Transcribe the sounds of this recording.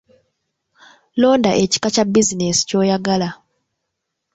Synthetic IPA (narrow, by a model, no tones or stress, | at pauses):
lo̞ːndaʔe̞ci̥kacabizinesi̥co̞ːjaɡala